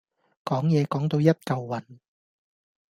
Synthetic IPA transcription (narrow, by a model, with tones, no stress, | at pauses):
kɔː˨˥ŋjɛː˨˧kɔː˨˥ŋt̪o˧wjɐ˥t̚kɐ˨wːɐ˨˩n